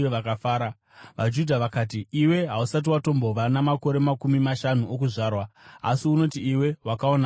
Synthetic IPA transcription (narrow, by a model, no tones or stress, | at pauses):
ʋakafaːɾa | ʋad͡ʒudʱaʋakaːt̬iiwe̞ɦausat̬iwato̞mbo̞ʋanamako̞ɾe̞makumimaʃanuʔokuʐaːrwaa̰siuno̞tiiwe̞wakaona